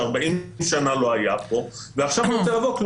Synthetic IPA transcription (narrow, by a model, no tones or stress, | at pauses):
aʁbaʔimʃanalo̞ajapo̞ | veaχʃavnot͡seʁavokl